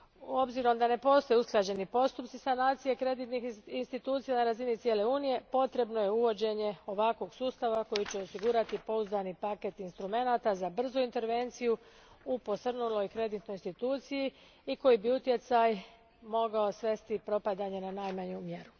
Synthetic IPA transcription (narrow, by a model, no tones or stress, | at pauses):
o̞bziɾo̞md̪ane̞po̞st̪o̞jeusklˠad͡ʑe̞nipo̞st̪upt̪sisanaːt̪sijekɾe̞d̪it̪nixinst̪it̪uːt̪sijanaɾazinit̪sjele̞uːnije̞po̞t̪ɾe̞bnojeuʋo̞d͡ʑe̞ɲe̞o̞ʋakʋo̞ɡsuːst̪aʋako̞jit͡ɕeosiɡuɾat̪ipo̞uzd̪anipaket̪inst̪ɾume̞nat̪azabr̩zuint̪e̞ɾʋe̞nt̪siju | upo̞sr̩nulojkɾe̞d̪it̪no̞jinst̪it̪uːt̪siji | iko̞jibiut̪je̞t̪saj | mo̞ɡao̞sʋe̞st̪ipɾo̞pad̪aɲe̞nanaːjmaɲumje̞ɾu